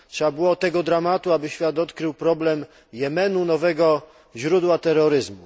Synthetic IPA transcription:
tʂɛbabɘwɔt̪ɛɡɔd̪ɾamat̪uabɘɕfʲjat̪ɔt̪kɾɘwpɾɔblɛm | jɛmɛnunɔvɛɡɔ | ʑɾud̪wat̪ɛɾːɔɾɘzmu

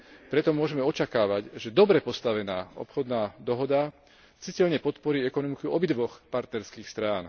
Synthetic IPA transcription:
pɾɛt̪ɔmʊɔʒɛmɛɔt͡ʃakaːʋaɟʒɛd̪ɔbɾɛpɔst̪aʋɛnaːɔ̰pxɔd̪naːd̪ɔɦɔd̪a | t͡sicɛʎɲɛpɔt̪pɔɾiːɛkɔnɔmikuɔbid̪ʋɔxpaɾt̪nɛɾskiːxst̪ɾaːn

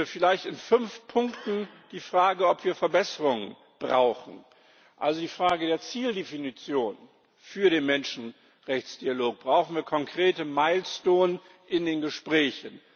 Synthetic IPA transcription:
fɪlaɪçtɪnfʏnfpʰʊŋktn̩d̥iːfʁ̥aːɡəɔpv̥iːɐfɛɐbɛsəʁʊŋən | b̥ʁa̰ʊxn̩ | ʔa̰lzodiːfʁ̥aːɡədeːɐt͡siːldefinit͡sjoːn | fyːɐɾeːnmɛnʃn̩ | ʁɛçt͡sd̥ialoːk̚b̥ʁaʊxn̩viːɐkʰɔŋkʁ̥eːtəmaɪlstoːn | ʔɪndeːnɡəʃpʁ̥ɛːçən̩

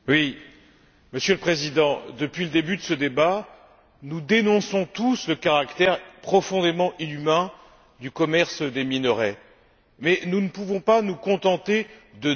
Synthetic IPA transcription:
wi | məsjøləpχezid̪ɑ̃d̪əpɥiləd̪ebyd̪əsəd̪eba | nud̪enɔ̃sɔ̃t̪usləkaʁakt̪ɛʁpχɔfɔ̃d̪emɑ̃ʔilymɛ̃ | d̪ykɔmɛʁsd̪eminəʁɛ | mɛnunəpuvɔ̃panukɔ̃t̪ɑ̃t̪ed̪ə

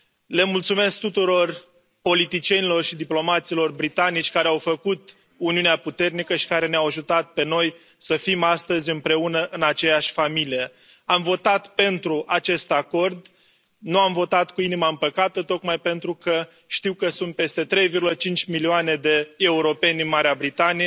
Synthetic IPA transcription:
le̞mult̪sume̞sk̚t̪ut̪uɾo̞r | po̞lit̪it͡ʃie̞nilo̞rʃid̪iplo̞mat̪silo̞rbɾit̪anit͡ʃʲkaɾeawfəkut̪ | uniuneaput̪e̞rnikəʃi̥kaɾe̞neawaʒut̪at̪̚pe̞no̞j | səfimast̪əzʲɨmpɾe̞unəʔɨnat͡ʃe̞jaʃʲfamilije̞ | amvo̞t̪at̪pe̞nt̪ɾuʔat͡ʃe̞st̪ako̞rd̪ | nuamvo̞t̪at̪kuinimaɨmpəkat̪ət̪o̞kmajpe̞nt̪ɾukə | ʃt̪iwkəsunt̪̚pe̞st̪e̞t̪ɾe̞jvirɡulət͡ʃint͡ʃʲmilioane̞d̪e̞ːuɾo̞pe̞ndinmaɾeabɾit̪anije

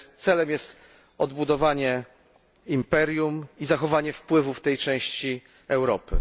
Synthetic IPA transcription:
t̪sɛlɛmjɛst̪ | ɔd̪bud̪ɔvaɲɛ | impɛɾʲjumizaxɔvaɲɛfpwɘvuft̪ɛjt͡ʂɛ̃w̃ɕt͡ɕi | ɛwɾɔpɘ̰

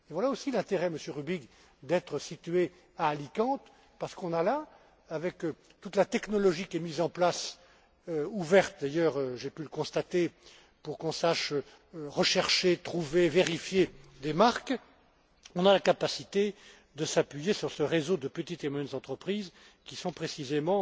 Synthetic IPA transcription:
evwalaosilɛ̃t̪eʁɛməsjøʁybiɡ | d̪ɛt̪χəsit̪ɥe | aːlikɑ̃t̪ | paʁsə̥kɔ̃nalaː | vɛk | t̪ut̪lat̪ɛknɔlɔʒikʲiɛmizɑ̃plas | øuvɛʁt̪̚d̪ajœːʁøʒepyləkɔ̃st̪at̪e | puʁkɔ̃saʃø | ʁəʃɛʁʃet̪χuveveʁifjed̪emaʁk | ɔ̃nalakapasit̪e | d̪əsapɥijesyʁsəʁezod̪əpət̪it̪emwajɛnzɑ̃t̪χəpχiz | kʲisɔ̃pχesizemɑ̃

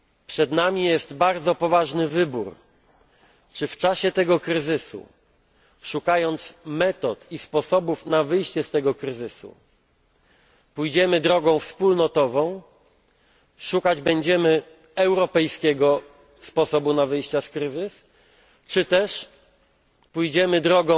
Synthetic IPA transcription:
pʂɛd̪namʲijɛst̪baɾd̪zɔpɔvaʐnɘvɘbṵɾ | t͡ʂɘft͡ʂaɕɛt̪ɛɡɔkɾɘzɘsṵ | ʂukajɔnt̪smɛt̪ɔt̪ispɔsɔbufnavɘjɕt͡ɕɛst̪ɛɡɔkɾɘzɘsṵ | pujd͡ʑɛmɘd̪ɾɔɡɔ̃w̃fspulnɔt̪ɔvɔ̃w̃ | ʂukad͡ʑbɛɲd͡ʑɛmɘ | ɛwɾɔpɛjskʲɛɡɔ | spɔsɔbunavɘjɕt͡ɕaskɾɘzɘs | t͡ʂɘt̪ɛʂ | pujd͡ʑɛmɘd̪ɾɔɡɔ̃

